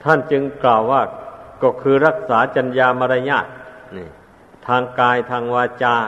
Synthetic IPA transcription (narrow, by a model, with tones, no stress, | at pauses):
t̪ʰa˥˩nt͡ɕɯ˧ŋklaː˨˩wːaː˥˩kɔː˧˩kʰɯː˧ɾa˦˥˩k̚saː˩˦t͡ɕa˧njaː˧ma˧ɾa˧ɲaː˥˩t̪̚ni˧˨˩ | t̪ʰaː˧ŋkaː˧jt̪ʰaː˧ŋwaː˧t͡ɕaː˧